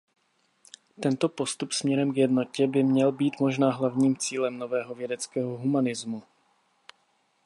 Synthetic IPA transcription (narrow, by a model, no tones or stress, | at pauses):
t̪ɛnt̪o̞po̞st̪upsmɲɛɾɛmɡjɛdno̞cɛbɪmɲɛlbiːt̪mo̞ʒnaːɦlavɲiːmt͡siːlɛmno̞vɛːɦo̞vjɛdɛt͡skɛːɦoɦumanɪzmu